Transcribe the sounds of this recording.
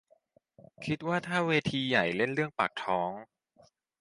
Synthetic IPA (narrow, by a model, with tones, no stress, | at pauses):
kʰi˦˥t̪̚waː˥˩t̪ʰaː˥˩weː˧t̪ʰiː˧ja˨˩jle˥˩nɾɯ˥˩əŋpa̰˨˩k̚t̪ʰɔː˦˥ŋ